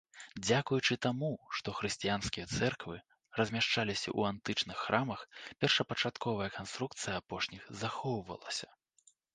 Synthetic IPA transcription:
d͡zʲakujut͡ʂɨt̪amuʂt̪ɔxɾɨsʲt͡sʲijanskʲijɛt̪sɛrkvɨ | rɐzʲmʲaʂt͡ʂalʲisʲɐ̰ʔṵant̪ɨt͡ʂnɨxːɾamɐxpʲɛrʂɐpɐt͡ʂat̪kɔvɐjɐkanst̪ɾuk̚t̪sɨjɐapɔʂnʲixzaxɔwvɐ̰lˠɐsʲɐ̥

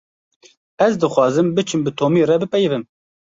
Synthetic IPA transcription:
ɛzd̪ɨxwɑːzɨmbɨt͡ʃʰɨmbɨt̪ʰoːmiːrɛbɨpɛjvɨm

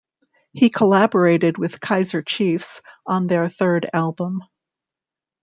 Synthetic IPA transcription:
hikʰəlæbə˞eɪɾɨd̚wɨð̥kʰaɪzə˞t͡ʃʰifsn̩ðə˞θɜ˞ɾælˠbə̃m

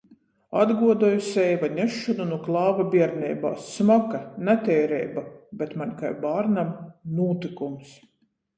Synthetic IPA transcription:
ad̪ɡuɔd̪ɔjusɛjvanʲeʃːɔnunuklˠɑːvabʲiɛɾnʲɛ̰jba̰ːsːmɔkanɛt̪ʲɛjɾɛ̰jbabʲɛt̪manʲkajbaːɾnamnuːt̪ikums

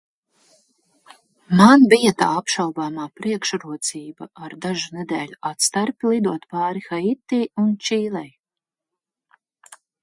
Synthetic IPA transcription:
manbijat̪a̰ːapʃawbaːmaːpɾiɛkʃɾuɔt̪siːba̰aɾd̪aʒuned̪ɛːlʲuʔat̪st̪aɾpʲilˠid̪uɔt̪paːɾixait̪ːiːunt͡ʃiːlɛj

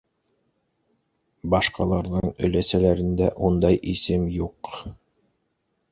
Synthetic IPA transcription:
bɑʃqɑlˠɑɾðɤɴɵ̰̆læsælæɾɘ̆nd̪æʔund̪ɑjʔisɘmjuq

